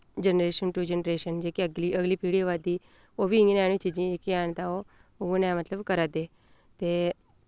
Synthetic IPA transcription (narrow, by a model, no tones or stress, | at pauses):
d͡ʑənɾeɕənʈud͡ʑenɾeɕənd͡ʑekiəɡliʔəɡliːpiɽiʋad̪i | obiiŋɡinaañit͡ɕid͡ʑĩekiaɳt̪ao | oɡunamət̪ləbkəɾat̪e | t̪e